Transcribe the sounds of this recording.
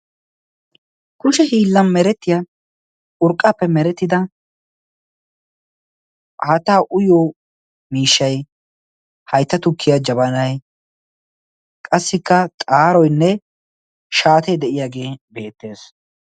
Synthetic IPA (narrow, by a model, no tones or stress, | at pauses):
kʊʃɛhiːlːɐnmɛɾɛt̪ːɪja | ʊɾkʼːaːpːɛmɛɾɛt̪ːɪd̪ɐ | hɐt̪ːaːʔʊjoː | miːʃːɐj | hɐjt̪ːɐt̪ʊkʰːɪjad͡ʒɐbɐnɐj | kʼɐsːɪkːɐt̪ʼaːɾɔjnːɛ | ʃaːt̪ejd̪ɛʔɪjaːɡe̞ːbe̞ːt̪ːe̞ːs